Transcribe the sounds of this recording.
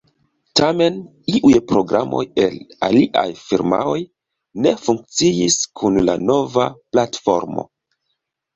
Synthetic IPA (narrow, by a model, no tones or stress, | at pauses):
tame̞n | iʔujpɾo̞ɡɾa̰mo̞̰je̞laliʔajfiɾma̰o̞j | ne̞fuŋk̚t͡siiskʰunlano̞vaplatfo̞̰ɾmo̞̰